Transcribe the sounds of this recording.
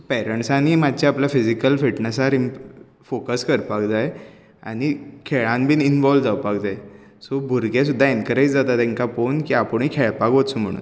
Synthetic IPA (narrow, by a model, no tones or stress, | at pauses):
pɛɾəɳʈsaniːmad̪t͡ɕaapljafid͡zikəlfiʈnəsaɾi | fokəskəɾpakd͡zaj | a̰ɽ̃ikʰɛɭãnbʱiːninʋɔlʋd͡zaʋpakd͡zaj | sobʱuɾɡẽs̬ud̪ʱːaenkəɾəjt͡sd͡zat̪at̪ɛ̃ŋkaponkiapəɳ̃ikʰɛɭpakʋot̪som̤əɽṵːn